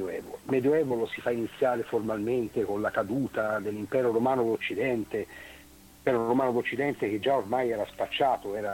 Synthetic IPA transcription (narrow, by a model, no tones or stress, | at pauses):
ɛːvolmɛd̪joɛːvolosifainit̪sːjaːɾeformalment̪ekonlakad̪uːt̪ad̪elːimpɛːɾoɾomaːnod̪ot͡ʃːid̪ɛnt̪e | pɛːɾoɾomaːnod̪ot͡ʃːid̪ɛnt̪ek̟ed͡ʒaormajɛːɾaspat͡ʃːaːt̪oɛːɾa